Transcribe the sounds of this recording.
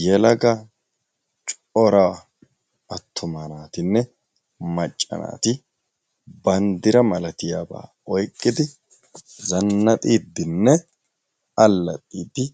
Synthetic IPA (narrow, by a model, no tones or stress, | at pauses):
jɛlɐɡɐ | t͡ʃʼ | ɔɾa | ɐt̪ʰːʊmɐnaːt̪ɪnːɛ | mɐt͡ʃʼːɐ̰na̰ːt̪ɪ | bɐnd̪ɪɾɐmɐlɐt̪ɪjaːba̰ː | ɔjkʼːɪd̪ɪ | zɐnːɐt̪ʼiːd̪ːɪnːɛ | ɐlːɐ̰t̪ʼiːd̪ːɪ